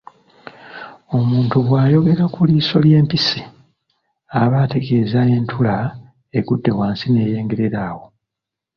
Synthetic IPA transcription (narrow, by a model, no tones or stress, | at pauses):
o̞muːntuβwaːjo̞ɡe̞ɾakuliso̞lje̞ːmpisi | aβate̞ɡe̞ːzae̞ːntʰula | e̞ɡudːe̞waːnsine̞ːje̞ːŋɡe̞ɾe̞ɾaːwo̞